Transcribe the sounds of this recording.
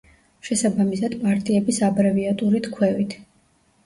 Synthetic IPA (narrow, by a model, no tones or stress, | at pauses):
ʃɛsabamisad̪̥pʼaɾt̪ʼiɛbisabɾɛviat̪ʼuɾit̪ʰkʰwɛvit̪ʰ